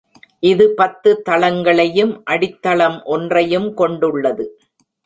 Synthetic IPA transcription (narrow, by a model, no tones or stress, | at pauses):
ʔɪðɯpɐt̪ːɯt̪ːɐɭɐŋɡɐɭɐjɯmʔɐɽɪt̪ːɐɭɐmʔɔndrɐjɯmkɔɳɖɯɭːɐðɯ